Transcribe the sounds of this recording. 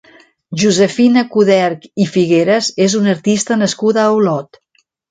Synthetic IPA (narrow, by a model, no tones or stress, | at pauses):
ʒuzəfinəkuðɛɾkifiɣeɾəzezunəɾt̪ist̪ənəskuðəːwlɔt̪